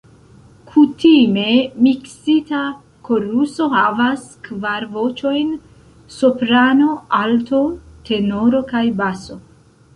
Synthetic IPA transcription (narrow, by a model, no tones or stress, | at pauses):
kʰutime̞miksita | kʰo̞ɾuso̞havaskvaɾvo̞t͡ʃo̞jn | sopɾano̞ʔalto̞tʰe̞no̞ɾo̞kajbaso̞